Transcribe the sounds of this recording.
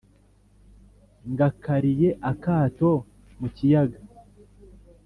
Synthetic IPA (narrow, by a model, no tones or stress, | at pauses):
ŋɡakʰaɾije̞ʔakaːto̞ | mucijaɡa